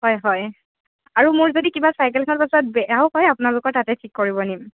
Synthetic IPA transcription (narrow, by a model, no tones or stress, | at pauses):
hɔjɦɔj | aɹumʊɹzodikibasajkɛlkʰɔnɔɹpasɔt̚bɛaʊhɔjapʊnalʊkɔɹtatɛtʰikːoɹibɔnim